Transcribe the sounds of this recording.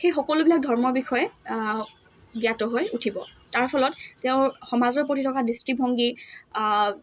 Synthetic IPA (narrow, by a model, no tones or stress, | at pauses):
xejxɔkɔlʊbilak̚dʱɔɹmɔɹbixʰɔjɛ | ɡiatɔɦojutʰibɔ | taɹpʰɔlɔttɛʊ̃xɔmazɔɹpɹotitʰɔkadistɹibʱɔŋɡi